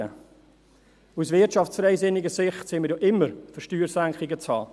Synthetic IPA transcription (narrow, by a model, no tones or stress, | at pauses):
ə | usvɪɐtʃɑft͡ssfɾɛɪsɪnɪɡəsɪχtsɪməɾjoʔɪmːəɾfəʃtyːɾsæŋkχɪɡət͡shɑ̰ː